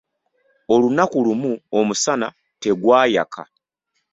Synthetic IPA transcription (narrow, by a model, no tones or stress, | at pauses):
o̞lunakulumuomusana | te̞ɡwaːja̰kʰa̰